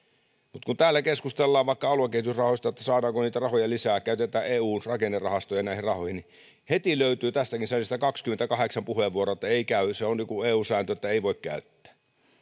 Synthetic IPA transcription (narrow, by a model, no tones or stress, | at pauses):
mut̪kunt̪æːlːækeskust̪elːɑːʋʋɑˑikːɑɑluɑkeˑit̪ysrɑhoˑist̪ɑet̪ːæsɑːdɑːŋkoniːt̪ærɑhojɑlisæːkæyt̪et̪æːeːuːnrɑkenːerɑhɑst̪ojɑnæˑihirɑhohini | het̪iløˑyt̪yːt̪æst̪ækinsensit̪ækɑkskyment̪ækɑheksɑmpuheʋʋuoroet̪ːæeˑikæˑyseonnikueːuːsæːnt̪øet̪ːæeˑiʋoˑekkæ̰ˑyt̪ːæ̥ː